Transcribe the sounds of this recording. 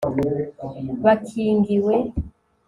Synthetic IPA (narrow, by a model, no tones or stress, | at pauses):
βakʰiːŋɡiwe